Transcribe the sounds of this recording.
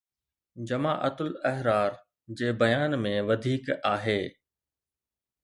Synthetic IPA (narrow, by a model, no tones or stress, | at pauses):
d͡ʑɐma̰ːʔɐt̪ʊlɐɦɾaːɾ | d͡ʑeːbɐjaːnmẽʋɐd̪ʱiːkaːɦeː